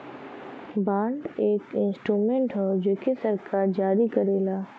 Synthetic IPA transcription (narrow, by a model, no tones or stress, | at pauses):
baːɳɖeːkɪ̃nsʈɾuːmẽɳʈɦoːd͡ʒeːkʰesɐɾkaːɾd͡ʒaːɾikɐɾeːlaː